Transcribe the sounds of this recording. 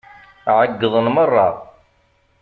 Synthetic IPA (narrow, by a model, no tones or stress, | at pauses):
ʕəɡːəðˤənmərˤːɑ